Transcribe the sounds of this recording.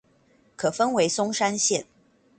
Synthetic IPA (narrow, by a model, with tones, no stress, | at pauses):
kʰɤ˨˩fə˥nwe˧˥ɪsʊ˥ŋʂa˥nɕjɛ˥˨˩n